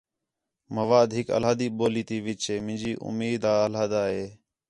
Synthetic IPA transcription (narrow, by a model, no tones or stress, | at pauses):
məʋaːd̪ɦɪkə̰laːd̪iːɓoːliːt̪iːʋɪːt͡ʃeːmɪ̃nd͡ʒiːʔʊ̰miːd̪aːəlaːd̪aːɦeː